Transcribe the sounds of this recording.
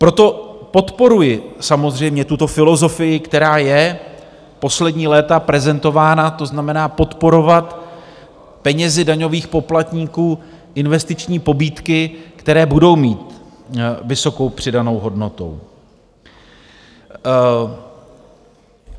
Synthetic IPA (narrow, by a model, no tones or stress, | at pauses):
pɾo̞t̪o̞po̞t̪po̞ɾujɪsamozr̝ɛjmɲɛt̪ut̪o̞fɪlo̞zo̞fɪjɪkt̪ɛɾaːjɛ | po̞slɛdɲiːlɛːt̪apɾɛzɛnt̪o̞vaːnat̪o̞znamɛnaːpo̞t̪po̞ɾo̞vat̪ | pɛɲɛzɪdaɲo̞viːxpo̞plat̪ɲiːkuː | ʔɪnvɛst̪ɪt͡ʃɲiːpo̞biːt̪kɪkt̪ɛɾɛːbudo̞wmiːt̪ | vɪso̞ko̞wpr̝̥ɪdano̞wɦo̞dno̞t̪o̞̰w